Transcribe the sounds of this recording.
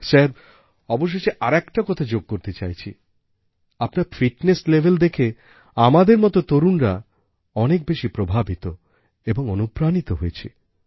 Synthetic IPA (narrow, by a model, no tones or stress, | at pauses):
sɛɾ | ɔboʃ̬ːeʃeʔaɾɛkʈakɔt̪ʰad͡ʑoɡ̚koɾt̪et͡ɕajt͡ɕʰi | apnaɾfiʈneslebʱeld̪ekʰe | amad̪eɾmɔt̪ot̪oɾunɾa | ɔnek̚beʃipɾobʱabit̪o | eboŋonupɾanit̪oɦoet͡ɕʰḭ